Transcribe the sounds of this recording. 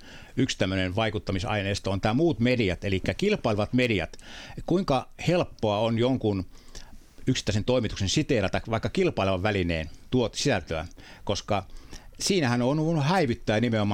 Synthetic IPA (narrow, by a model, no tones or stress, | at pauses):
ykst̪æmːønenʋɑikut̪ːɑmisɑ̰ineːst̪ɑont̪æːmuːt̪mediæt̪elikːækilpɑilʋɑt̪mediæ̰t̪kuiŋkɑhelpːoɑonjoŋkun | yksi̥t̪ːˑæˑisent̪oimit̪uksensit̪eːlæt̪ɑkʋɑikːɑkilpɑilʋɑʋʋælinḛːnt̪uot̪sisælt̪øæ̰koskɑsiːnæhænoːnuʋunuhæiʋyt̪ːæːnimeomɑ